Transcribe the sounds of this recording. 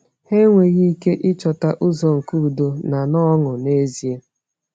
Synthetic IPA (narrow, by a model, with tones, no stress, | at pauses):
he˦ŋʷe˨ɣi˦i˦ke˦ʔɪ˦t͡ʃɔ˨ta˦ʔʊ˦zɔ˨ŋ̩˨ku˦˨do˨na˨nɔ˦ŋʊ˨ne˦zi˨˦e˦